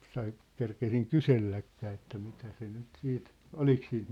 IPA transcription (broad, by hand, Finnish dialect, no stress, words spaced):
sɑi kerkesiŋ kyselːækːæː etːæ mitæ se nyt siːt olik siːnt